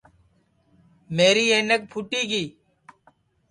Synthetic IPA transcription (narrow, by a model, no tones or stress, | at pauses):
meːɾiːeːnek̚pʰʊʈiːkiː